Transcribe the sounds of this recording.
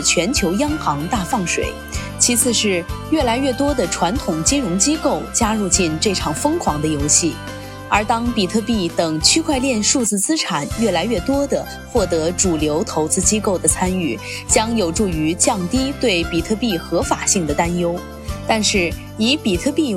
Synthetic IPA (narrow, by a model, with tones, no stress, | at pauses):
t͡ɕʰɥɛ˧˥nt͡ɕʰjo˧˥ʊjɑ˥ŋxɑ˧˥ŋt̪a˥˧fɑ˥˩ŋʂwḛ˨˩˦ɪ | t͡ɕʰi˧˥t͡sʰɹ̩˥˧ʂɻ̩˥˧ɥɛ˥˩la˧˥ɪɥɛ˥˩t̪wɔ˥d̪ə˨ʈ͡ʂʰwa˧˥nt̪ʰʊ˨˩ŋt͡ɕi˥ŋɻʊ˧˥ŋt͡ɕi˥ko˥˩ʊt͡ɕja˥ɻu˥˧t͡ɕi˥˧nʈ͡ʂɤ˥˩ʈ͡ʂʰɑ˨˩ŋfɤ˥ŋkʰwɑ˧˥ŋd̪ə˧jo˧˥ʊɕi˥˩ | ə˞˧˥t̪ɑ˥ŋpi˨˩t̪ʰɤ˥˧pi˥˩t̪ɤ˨˩ŋt͡ɕʰy˥kʰwa˥˧ɪljɛ˥˧nʂu˥˧t͡sɹ̩˥˩t͡sɹ̩˥ʈ͡ʂʰa˨˩˦nɥɛ˥˩la˧˥ɪɥɛ˥˩t̪wɔ˥d̪ə˨ | xwɔ˥˩t̪ɤ˧˥ʈ͡ʂu˨˩ljo˧˥ʊt̪ʰo˧˥ʊt͡sɹ̩˥t͡ɕi˥ko˥˩ʊd̪ə˩t͡sʰa˥ny˥˩ | t͡ɕjɑ˥ŋjo˨˩ʊʈ͡ʂu˥˩y˧˥t͡ɕjɑ˥˩ŋt̪i˥t̪we˥˩ɪpi˨˩t̪ʰɤ˥˧pi˥˩xɤ˧˥fa˨˩ɕi˥˩ŋd̪ə˩t̪a˥njo˥ʊ | t̪a˥˧nʂɻ̩˥˩ | i˧˥pi˨˩t̪ʰɤ˥˧pi˥˩